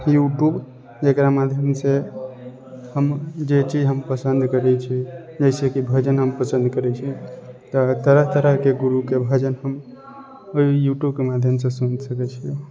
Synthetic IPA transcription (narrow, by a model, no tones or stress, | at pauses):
juʈjub | d͡ʒekɾamad̪ʱjəmse | ɦəmd͡ʒet͡ʃid͡ʒɦəmpəsənd̪kəɾɛt͡ʃʰi | d͡ʒəɪsekibʱəd͡ʒənɦəmpəsə̃nd̪kəɾɛt͡ʃʰit̪ɔt̪əɾəɦt̪əɾəɦkeɡuɾukebʱəd͡ʒənɦəm | oijuʈjubkemad̪ʱjəmsesunsəkɛt͡ʃʰiju